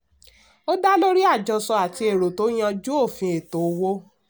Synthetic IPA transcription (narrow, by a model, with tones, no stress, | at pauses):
o˦da˦lo˦ɾi˦a˦˨d͡ʒɔ˧sɔ˧a˨ti˧e˨ɾo˨to˨˦j̃ã˧d͡ʒu˦o˦˨fĩ˧e˨to˨˦wo˦